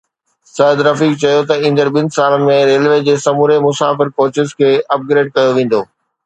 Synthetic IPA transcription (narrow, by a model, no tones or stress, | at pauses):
sɐːd̪ɾɐfiːk̚t͡ɕɐjot̪ɐĩːnd̪əɾɓɪ̃n̆saːlmẽɾeːlʋeːd͡ʑeːsɐmuːɾemʊsaːfɪɾkoːt͡ɕɪzkʰeːʔɐp̚ɡɾeːɖ̚kɐjoʋẽːn̆d̪oː